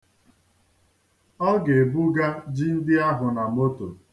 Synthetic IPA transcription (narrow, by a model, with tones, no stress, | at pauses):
ɔ˦ɡe˨bu˦ɡa˦d͡ʒi˦n̩˦dɪ˦a˦ɦʊ˨na˨m̩˦o˦to̰˨